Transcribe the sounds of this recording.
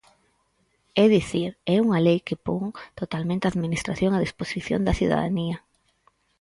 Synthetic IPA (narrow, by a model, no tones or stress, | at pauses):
ɛðiθiɾɛuŋɐlejkepoŋt̪ot̪almẽnt̪eaðminist̪ɾaθjoŋaðisposiθjo̰nd̪ɐθiða̰ða̰niɐ